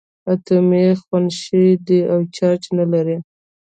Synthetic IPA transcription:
at̪ʊmexwanʃid̪iawt͡ʃɑt͡ʃnalaɾi

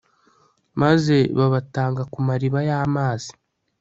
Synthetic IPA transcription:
maze̞βaβataːŋɡakumaɾiβajaːmaːz̥i̥

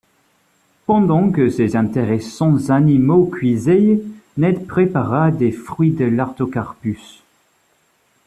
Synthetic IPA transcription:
pɑ̃d̪ɑ̃kəsezɛ̃t̪eʁesɑ̃zanimokɥizejnɛd̪pχepaʁad̪efχɥid̪əlaʁt̪okaʁpys

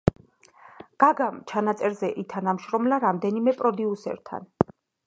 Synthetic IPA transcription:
ɡ̥aɡamt͡ʃʰanat̪sʼɛɾzɛʔit̪ʰanamʃɾɔmlaɾamd̪ɛnimɛpʼɾɔd̪iusɛ̰ɾt̪ʰa̰n

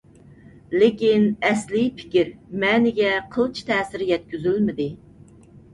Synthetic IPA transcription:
lɪkʲinɛslipʰɪ̥kʲiɾmɛːnɪɡʲɛqʰəlˠt͡ʃʰi̥t̪ʰɛːsɪɾjɛt̪̚kʲyzylmɪd̪ɪ

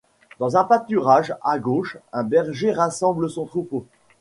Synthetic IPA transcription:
d̪̥ɑ̃zɛ̃pat̪yʁaʒaɡoʃɛ̃bɛʁʒeʁasɑ̃bləsɔ̃t̪χupo

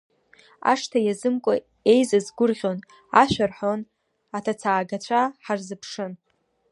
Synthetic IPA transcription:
a̰ʂtʰajazɨmkʷʼa | e̞jzazɡʷʊrʁʲo̞n | aʃʷᶣarħon | atʰat͡sʰaːɡat͡ɕʷʰaħarzɨpʰʂɨn

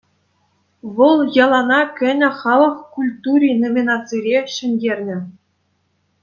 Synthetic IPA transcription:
ʋɤlˠjɑlˠɑnɑkʲɘ̆nʲɘ̆χɑlˠɤ̆χkulʲt̪uɾʲinomʲinɑt͡siɾʲeɕɘ̆nʲdʲerʲnʲɘ̆

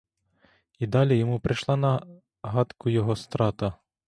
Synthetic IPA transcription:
id̪ɑlʲijɔmupɾɪʃlˠɑnɐ | ɦɑt̪kʊjɔɦɔst̪ɾɑt̪ɐ

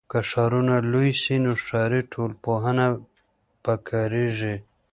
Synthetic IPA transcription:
kaʂaɾunalujsinoʂaɾiʈʰolpoɦana | pakʰaɾiʐi

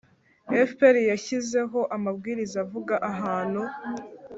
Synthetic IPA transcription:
efpeɾijaçize̞ɦo̞ʔamabɡiːɾizavuɡaʔaɦaːn̤hu

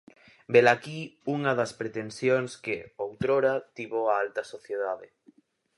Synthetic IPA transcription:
belakiuŋaðaspɾet̪ensjoŋskeowt̪ɾoɾat̪iβoaalt̪ɐsoθjeðaðe

